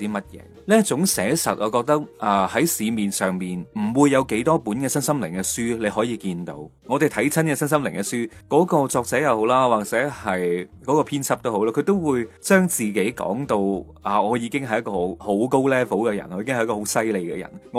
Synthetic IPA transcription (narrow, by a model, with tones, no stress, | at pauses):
t̪iː˥mɐ˥t̚jɛ̰ː˨˧ | lɛː˥t͡sʊ˨˥ŋsɛː˨˥sɐ˨t̚ʔɔː˨˧kɔː˧k̚t̪ɐ˥k̚ʔaː˨˧hɐ˨˥jsiː˨˧miː˨nsœː˨ŋmiː˨nm̩˨˩wuː˨˧jːɐ˨˧wke˨˥jt̪ɔː˥puː˨˥nkɛː˧sɐ˥nsɐ˥mlɪ˨˩ŋkɛ˧syː˥le˨˧jɦɔː˨˥jiː˨˧kiː˧nt̪o̰˧wŋɔː˨˧t̪e˨jt̪ʰɐ˨˥jt͡sʰɐ˥nkɛː˧sɐ˥nsɐ˥mlɪ̰˨˩ŋkɛ˧syː˥kɔː˨˥kɔː˧t͡sɔː˧k̚t͡sɛː˨˥jɐ˨who˨˧˥wlaː˥waː˨˩k̚t͡sɛ˨˥hɐ˨jkɔː˨˥kɔː˧pʰiː˥nt͡sʰɐ˥p̚t̪o˥wɦo˨˥wlaː˥kʰɵ˨˧t̪o˥wwuː˨˧jt͡ʃœː˥ŋt͡siː˨ke˨˥jkɔ̰ː˨˥ŋt̪o˧w | ʔaː˨ɔː˨˧jiː˨˧kɪ˥ŋɦɐ˨˩jɐ˦t̚kːɔː˨˧ho˨˥wko˥wlɛː˥fo˨˥wkɛ˧jɐ̰˨˩nɔː˨˧iː˧kɪ˥ŋ˨jɐ˥kɔː˧ho˨˥wsɐ˥jle˨˧jkɛ̰˧jɐ̰˨˩nŋ˧